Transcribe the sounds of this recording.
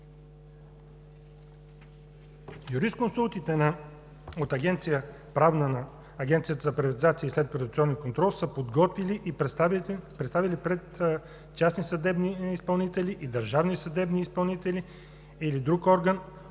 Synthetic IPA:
juɾist̪̚konsulˠt̪it̪ɛnɐ | ot̪ɐɡʲɛnt̪sijə | pɾavnənɐː | ɡʲɛnt̪sijət̪əzɐpɾɐvɐt̪izat̪siəislɛt̪pɾod̪ut̪ʲiɔnːikont̪ɾɔlˠsəpod̪ɡɔt̪viliʔ | pɾɛt̪st̪avilipɾɛt̪ | t͡ʃasnisɐd̪ɛbniispɐlˠnit̪ɛliʔid̪əɾʒavnisɐd̪ɛbniːspɐlˠnit̪ɛli | ilid̪ɾukɔɾɡən

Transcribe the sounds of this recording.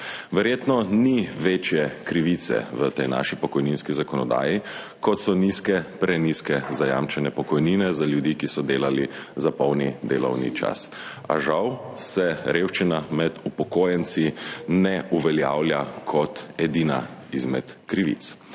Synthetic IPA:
ʋɛɾjeːt̪nɔniʋeːt͡ʃjɛkɾiʋit̪sɛ̰ʋət̪ɛjna̰ːʃipɔkɔjninskizakɔnɔd̪a̰ːji | kɔt̪sɔniskɛpɾɛniskɛzaja̰ːmt͡ʃɛnɛpɔkɔjniːnɛzaljud̪ikisɔd̪eːlalizapɔwnid̪ḛːlɔ̰wnḭt͡ʃa̰s | a̰ʒawsɛɾʔeːwʃt͡ʃinamɛd̪upɔkoːjɛnt̪sinɛuʋɛljaːwlʲjakʰɔt̪ɛd̪iːnaizmɛt̪kɾiʋḭt̪s

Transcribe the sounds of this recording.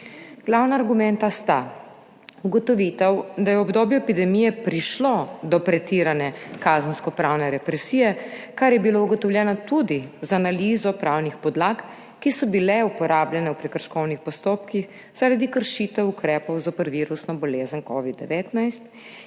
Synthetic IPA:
ɡ̥lawnaːɾɡumɛnt̪ast̪a | uɡɔt̪ɔʋit̪ɛwd̪ajɛɔbd̪oːbjuepid̪ɛmijɛpɾiʃlɔd̪ɔpɾɛt̪iɾanɛkazənskɔpɾaːwnɛɾɛpɾɛsijɛkaɾjɛbilouɡɔt̪ɔwljɛːnɔt̪ud̪izaːnaliːzɔpɾawnixpɔd̪laːk | kːisɔbilɛupɔɾaːbljɛnɛwpɾɛkəɾʃkɔwnixpɔst̪oːpkix | z̥aɾad̪ikəɾʃiːt̪ɛukɾɛːpɔwzapəɾʋiːɾusnɔbɔleːzənkɔːʋid̪ːɛʋet̪najst̪

